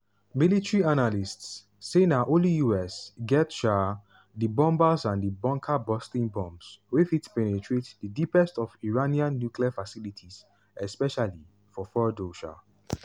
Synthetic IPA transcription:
militɹianalistsː | enaʔõlijuɛsɡɛtʃa | dibɔ̃mbasãndəbɔ̃ŋkʰabɔstĩnbɔ̃mbswefitpɛnetʰɹetdədipɛstɔviɹaniãnːjukliafasilitʰis | ɛspɛʃali | fɔfɔdoʃa̰

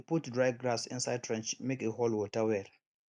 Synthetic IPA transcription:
putdɹajvɡɹasɪ̰̃nsajd̚tʰɹɛ̃nt͡ʃmekehɔlwɔtawɛɹ

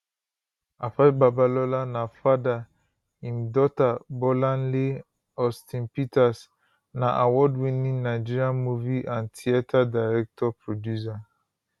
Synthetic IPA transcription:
afababalɔlanafada | ĩmdɔtabɔlãnle | ɔstʰĩnpitas | naʔawɔdwĩnĩŋnaɪd͡ʒiɾiãnmuviʔãntʰiatʰadaɹɛk̚tʰɔpɹodjusa

